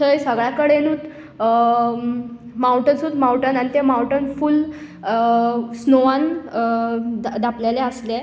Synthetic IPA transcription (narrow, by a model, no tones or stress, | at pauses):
əjsəɡɭjakəɽenuːt̪ | mawʈənsuːt̪mawʈənañit̪emawʈənful | snoʋan | d̪ʱapljalɛəsle